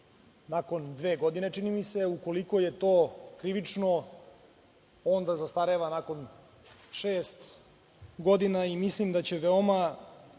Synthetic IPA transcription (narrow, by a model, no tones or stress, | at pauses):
nako̞nd̪ʋe̞ːɡo̞d̪inet͡ʂinimise̞uko̞liko̞je̞t̪oːkɾiʋit͡ʂno | ond̪azast̪aɾeʋanako̞n | ʃeːst̪ | ɡo̞d̪inaimislimd̪at͡ɕe̞ʋeoma